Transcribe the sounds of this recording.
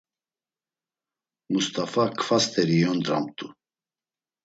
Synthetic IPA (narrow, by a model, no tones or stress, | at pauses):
must̪ʰafakʰfast̪ʰɛɾiɔnd̪ɾa̰mt̪ʰʼu